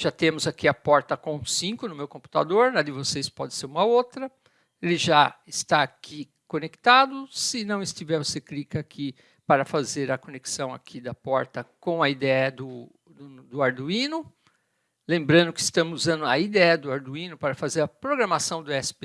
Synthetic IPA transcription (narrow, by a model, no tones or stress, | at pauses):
ʒ̥at̪ẽmʊzakiɐpɔɾt̪ɐkõsĩkʊnʊmewkõmpu̥t̪a̰d̪oɾnad̪ɪvosespɔd͡ʒ̪ɪ̥seɾũmɐowt̪ɾɐ | elɪʒaɪst̪aːkʰi | kõnekt̪ad̪ʊsɪnɐ̃w̃ɪst͡ʃ̪ivɛɾvoseklikɐakʰi | paɾɐfazeɾɐkoneksɐ̃w̃a̰kʰid̪ɐpɔɾt̪ɐkõɐid̪ɛɛɐd̪ʊ | d̪ʊd̪ʊaɾd̪uĩnʊ | lẽmbɾɐ̃nd̪ʊkɪɪst̪ɐ̃mʊuzɐ̃nd̪ʊɐ̰id̪ɛɛd̪ʊaɾd̪uĩnʊpaɾɐfazeɾɐpɾoɡɾɐmasɐ̃w̃d̪ʊɛsɪ̥pe